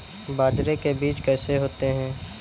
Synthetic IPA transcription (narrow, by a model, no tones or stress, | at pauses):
baːd͡ʒɾekebiːt͡ʃkɛːseɦoːt̪eɦɛ̃ː